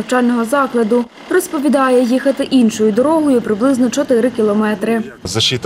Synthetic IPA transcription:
wt͡ʃɑlʲnɔɦɔzɑklˠɐd̪ʊ | rɔspɔʋʲid̪ɑjɛjixɐt̪ɪʔinʃɔjʊd̪ɔɾɔɦɔjʊpɾɪblˠɪznɔt͡ʃɔt̪ɪɾɪkʲilˠɔmɛt̪ɾɪzɐʃʲit̪

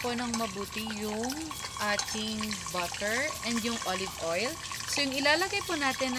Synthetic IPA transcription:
ponɐŋmɐbuːt̪ɪjʊŋ | ʔaːt̪ɪŋbɐkɛɹʔɛnd̪jʊŋʔolɪvʔojl | sojʊŋɪlaːlɐɡɐjpʊnaːt̪ɛnːɐ

